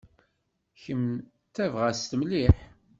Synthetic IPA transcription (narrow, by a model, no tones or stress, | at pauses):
çəm | t̪ævʁæst̪mliħ